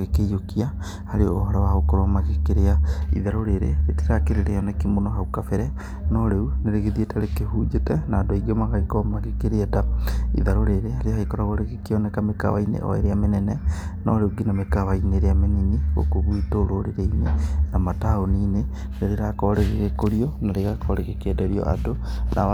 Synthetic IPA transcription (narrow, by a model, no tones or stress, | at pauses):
ɣekejokia | haɾeooɦɔɾawaɣokoɾamaɣekeɾeaḭðaɾoɾeɾḛetiɾakeɾeɾejɔnɛkimonoɦaukafɛɾɛ | nɔɾeuneɾeɣeðietaɾekehuːd͡ʒetɛnadoiɡemaɣaikɔmaɣekeɾeetaḭðaɾoɾeɾeaɾeahaikɔɾaɣoɾeɣekeɔnɛkameka̰wa̰inḛʔɔ̰ḛɾeamenɛnɛnɔ̰ɾeuɡinamekawaineɾeameniniɣo̰koɣwitoɾoɾeɾeinenamataoniːne | neɾeɾakɔɾeɣeɣekoɾiɔnaɾeɣakɔɾeɣekedaɾiɔ̰ʔa̰dona